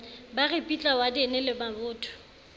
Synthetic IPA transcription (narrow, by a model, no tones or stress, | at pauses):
barɪpʼit͡ɬʼawadinɛlɪbabʊːtʰʊ̥